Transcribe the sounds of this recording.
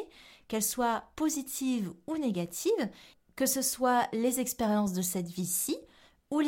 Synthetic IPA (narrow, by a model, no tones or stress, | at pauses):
kɛlswapozit̪ʰivuneɡʲat̪ʰiv | kəsəswalezɛkspeʁjɑ̃s̬d̪əsɛt̪visi | ul